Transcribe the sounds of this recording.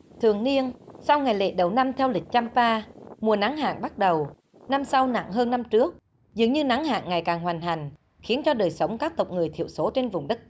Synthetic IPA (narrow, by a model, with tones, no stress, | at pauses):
t̪ʰɨ˨˩əŋni˧ənsa˧wŋa˨˩jlḛ˧˨ɗə˨˩wna˧mt̪ʰɛ˧wlï˨˩k̟̚t͡ɕa˧mpaː˧mu˨˩əna˨˦ŋɦa̰ː˧˨nɓa˦˥t̚ɗə˨˩w | na˧msa˧wna̰˧˨ŋɦəː˧nːa˧mt͡ɕɨ˦˥ək̚ | zɨ̰˨˩əŋɲɨ˧na˨˦ŋɦa̰ː˧˨nŋa˨˩jkaː˨˩ŋɦwaː˨˩jŋ̟t̪a˨˩jŋ̟ | xi˨˦ənt͡ɕɔ˧ɗəː˨˩jsə˨˦wŋ͡mkaː˦˥k̚t̪ə˨˩wk͡p̚ŋɨ˨˩əjt̪ʰḭ˧˨əwso˨˦t͡ɕe˧nvʊ˨˩ŋ͡mɗə˦˥t̚